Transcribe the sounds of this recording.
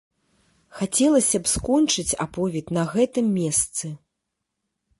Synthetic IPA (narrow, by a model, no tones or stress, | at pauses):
xat͡sʲɛlˠɐsʲɐpskɔnt͡ʂɨt͡sʲa̰pɔvʲit̪nɐɣɛt̪ɨmːʲɛst̪sɨ